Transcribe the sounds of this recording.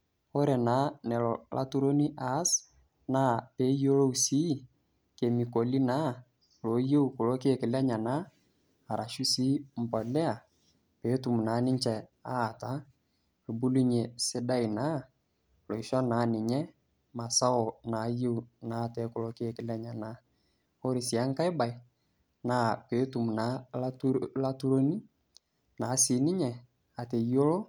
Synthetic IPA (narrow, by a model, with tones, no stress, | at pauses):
o˦ɾɛ˨na˨˦nɛ˨lɔ˨lʔa̰˦tu˦ɾo˦ni˦ʔa˨˦s | naː˦˨pe˨˦jo˦lo˦u˦siː˦ | ke˨mi˨ko˨li˦na˦ | lo˨˦je˦u˨kʊ˨lo˦ke˦˨kɪ˨lɛ˦ɲa˨naː˦˨ | ɾa˨ʃu˦si˦m̩˨pɔ˨lɛ˦a˨ | pe˨˦tu˨m˨naː˨˦nɪ˦ɲt͡ʃɛ˨a˦˨ta˦ | e˨bu˦lu˦ɲe˨sɪ˦da˦ɪ˨na˦ | lo˨i˨ʃɔ˦naː˨˦nɪ˨ɲɛ˦ | ma˨sa˦ɔ˨na˨˦je˦wnaː˨˦˨tɛ˨˦kʊ˨lo˦kɪ˦e˨kɪ˦lɛ˨ɲa˨na˦ | o˦ɾɪ˨sɪ˨a˨˦ŋ˦ka˦ɪ˦ba˨ɪ˨ | naː˨˦pe˨˦tu˨m˨na˨˦la˦tla˦tu˦ɾo˦ni˦ | na˨˦sɪ˨˦nɪ˦ɲɛ˨ | a˨te˨jo˦lo˦